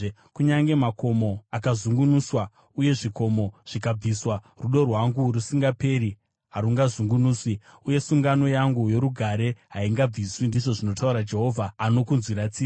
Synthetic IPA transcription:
kuɲaŋɡe̞mako̞mo̞akazuŋɡunuswa | uje̞ʐiko̞mo̞ʐ̥ikab͡viswa | ruɗo̞rwaŋɡurusiŋɡape̞ɾi | ɦaɾuŋɡazuŋɡunuːswiuje̞suŋɡano̞jaŋɡujo̞ɾuɡʱaɾe̞ɦaiŋɡab͡viswindiʐo̞ʐino̞tauɾad͡ʒe̞ɦo̞vʱaːno̞kunzwiɾat͡siː

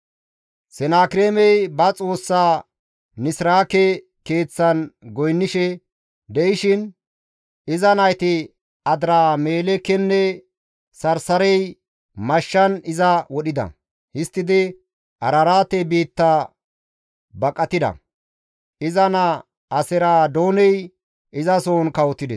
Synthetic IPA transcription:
sɛnaːkɾeːmɛjbɐt͡sʼo̞ːsːaː | nɪsɾaːkɛ | ke̞ːt͡sːɐnɡɔjnːɪʃɛ | d̪ɛʔɪʃɪn | ɪzɐnɐjt̪ɪ | ɐd̪ɾaːme̞ːlɛkːɛnːɛ | sɐɾsɐɾɛj | mɐʃːɐnɪzɐwɔɗɪd̪ɐ̰ | hɪst̪ːɪd̪ɪ | ʔɐɾɐɾaːt̪ːɛbiːt̪ːa | bɐkʼːɐt̪ɪd̪ɐ̰ | ʔɪzɐnɐ | ʔɐsɛɾaːd̪oːnɛj | ʔɪzɐso̞ːnkɐwɔt̪ːɪd̪ɛ

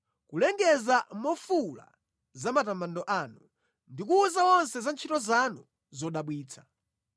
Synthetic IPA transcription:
kulɛŋɡɛzamɔfula̰ | zamatamandɔʔaːnu | ndik̬uːzawɔnsɛzant͡ʃʰitɔzanu | zɔɗaɓwiːt͡sʰḁ

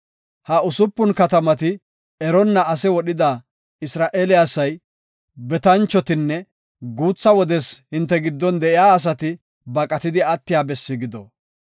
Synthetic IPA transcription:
hɐʊsʊpːʊnkɐt̪ɐmɐt̪ɪ | ɛɾɔnːɐɐsɛwɔɗɪd̪aː | ɪsɾaːʔeːlɪasːɐj | bɛt̪ɐnt͡ʃːɔt̪ɪnːɛ | ɡuːt͡sːɐwɔd̪ɛshɪnt̪ːɛɡɪd̪ːɔnd̪ɛʔɪjaːɐs̬ɐt̪ɪ | bɐkʼɐt̪ɪd̪ɪɐt̪ːɪjaːbɛsːɪɡɪd̪ɔ

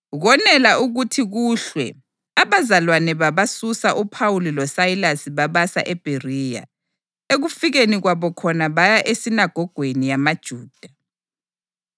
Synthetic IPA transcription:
ɣɔnɛlaʔuɣutʰiɣuɬwɛ̰ | aβazalwanɛβaβasusaʔupʰawulilɔsailasiβaβasa̰ʔɛb̥ʱerija̰ | eɣufiɣeniɣwaβɔkʰɔnaβajaʔesinaɡ̥ʱɔɡ̥ʱwenijamad̥ʒ̥ʱuːd̥ʱa

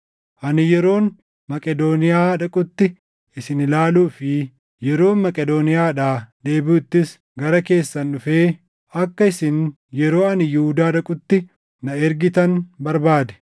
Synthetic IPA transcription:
ʔɐnɪjɛɾo̞ːn | mɐkʼɛd̪o̞ːnɪjaːᶑɐkʼʊt̪ːɪ | ɪsɪnɪlaːluːfɪ | jɛɾo̞ːnmɐkʼɛd̪o̞ːnɪjaːᶑaːd̪e̞ːbuːt̪ːɪs | ɡɐɾɐke̞ːsːɐnːʊfeː | ɐkːɐɪsɪn | jɛɾo̞ːɐnɪjʊhud̪aːᶑɐkʼʊt̪ːɪ | nɐɛɾɡɪt̪ɐnbɐɾbaːd̪ɛ̥

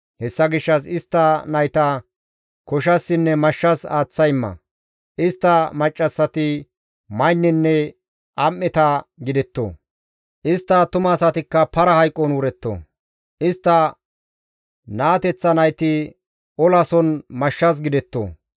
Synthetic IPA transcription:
hɛsːɐɡɪʃːɐs̬ɪst̪ːɐnɐjt̪ɐ | kɔʃ̬ɐsːɪnːɛmɐʃːɐsaːt͡sːɐjmːɐ̰ | ʔɪst̪ːɐmɐt͡ʃʼːɐsːɐt̪ɪ | mɐjnːɪnːɛ | ʔɐmːɛt̪ɐɡɪd̪ɛt̪ːo̰ː | ʔɪst̪ːɐt̪ʊmɐːsɐt̪ɪkːɐpɐɾɐhɐjkʼːɔnwʊɾɛt̪ːo̰ː | ʔɪst̪ːɐ | naːt̪ɛt͡sːɐnɐjt̪ɪ | ɔlɐsɔnmɐʃːɐs̬ɡɪd̪ɛt̪ːo̰ː

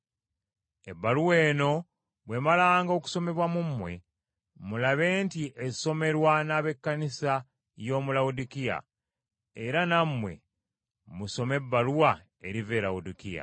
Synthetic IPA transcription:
e̞bːaluweːno̞ | βwe̞ːmalaːŋɡo̞ku̥so̞me̞βwamumːwe̞̰ | mulaβe̞ːntiʔe̞so̞me̞ɾwanaːβe̞kːanisa | jo̞ːmulaudikija̰ | eɾanamːwe̞̰ | muso̞me̞bːaluwa | eɾive̞laudikija̰

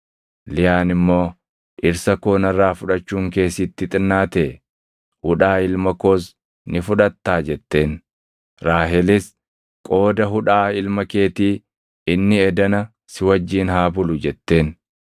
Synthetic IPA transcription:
lɪjaːnɪmːo̞ː | ʔɪɾsɐkoːnɐrːaːfʊᶑɐt͡ʃːuːŋke̞ːsɪt̪ːɪt̪ʼɪnːaːt̪eː | hʊᶑaːɪlmɐkoːs̬ | nɪfʊᶑɐt̪ːaːd͡ʒɛt̪ːe̞ːn | ɾaːɦɛlɪs | kʼo̞ːd̪ɐɦʊᶑaːɪlmɐke̞ːt̪iː | ɪnːɪɛd̪ɐnɐ | sɪwɐd͡ʒːiːnɦaːbʊlʊd͡ʒɛt̪ːe̞ːn

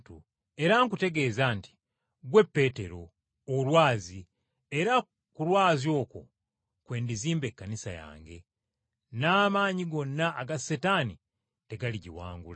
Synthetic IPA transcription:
tu | e̞ɾaŋkute̞ɡe̞ːzanti̥ | ɡwe̞pːe̞te̞ɾo̞ | olwaːzi | eɾa | kulwaːzjo̞ːko̞̰ | kwe̞ːndiziːmbe̞kːanisa̰ja̰ːŋɡe̞̰ | naːmaːɲiɡo̞nːaːɡasetani | te̞ɡaliɟḭwa̰ːŋɡṵla

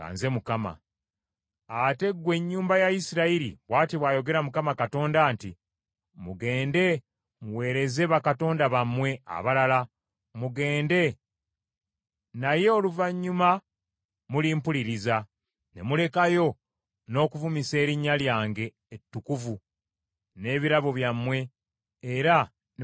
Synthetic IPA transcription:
ɡa̰ːnze̞mukama̰ | ate̞ɡːwe̞ɲːuːmbajaisiɾaiɾḭβwaːtiβwaːjo̞ɡe̞ɾamukamakato̞ːndaːnti | muɡe̞ːnde̞ | muwe̞ːɾe̞ze̞βakato̞ːndaβamːwe̞a̰βalala | muɡe̞ːnde̞ | naje̞oluvaɲːuma | muliːmpuliɾiza | ne̞̰mule̞kajo̞ | no̞ːkuvumise̞ːɾiɲːaljaːŋɡe̞ːtːukuvu | ne̞ːβiɾaβoβjamwe̞ː | ɾa

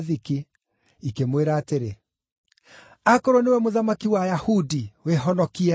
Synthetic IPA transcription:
ðiki | ikemweɾaːteɾe | akɔɾɔnewɛmoðamakiwajahudiweɦɔnɔkiɛ

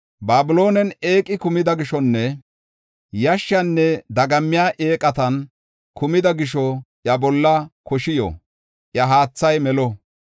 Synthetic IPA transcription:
baːbɪlo̞ːnɛne̞ːkʼːɪkʊmɪd̪ɐɡɪʃɔnːɛ | jɐʃːɐnːɛd̪ɐɡɐmːɪjaːʔeːkʼɐt̪ɐn | kʊmɪd̪ɐɡɪʃɔʔjɐbɔlːɐkɔʃɪjɔ̰ | ʔjɐɦaːt͡sːɐjmɛlɔ

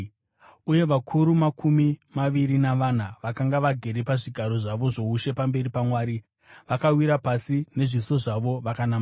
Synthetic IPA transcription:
uje̞ʋakʰuɾumakʰumimaʋiɾinaʋan̤aʋakaŋɡaʋaɡʱe̞ɾepaʐiɡʱaɾo̞ʐaʋo̞ʐo̞uʃepambe̞ɾipamwaːɾi | ʋakawiɾapasine̞ʐiso̞ʐaʋo̞ʋakanama

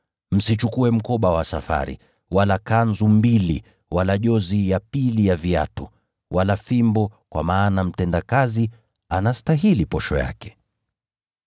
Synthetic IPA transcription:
m̩sit͡ʃukuɛm̩kɔɓawasafa̰ɾḭ | walakanzumbili | wʔalaʄɔzijapilijavia̰tu | wʔalafimbɔkwa̰maːnam̩tɛndakazi | anastaɦilipɔʃɔja̰kɛ̥

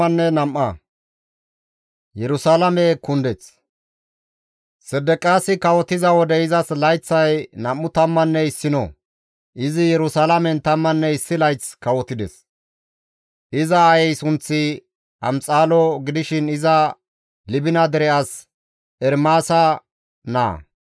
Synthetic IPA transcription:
ɐnːɛnɐmʔɐ | jɛɾʊsaːlɐmɛkʊnd̪ɛt͡s | sɛd̪ːɛkʼaːsɪkɐwɔt̪ɪzɐwɔd̪ɛɪzɐslɐjt͡sːɐjnɐmːʊt̪ɐmːɐnːɛɪsːɪnɔ̰ | ʔɪzɪjɛɾʊsaːlɐmɛnt̪ɐmːɐnːɛɪsːɪlɐjt͡skɐwɔt̪ːɪd̪ɛ̰s | ʔɪzɐːjɛjsʊnt͡sːɪ | ɐ̰mt͡sʼaːlɔɡɪd̪ɪʃɪnɪzɐ | lɪbɪnɐd̪ɛɾɛʔɐs | ɛɾmaːsɐ | na̰ː

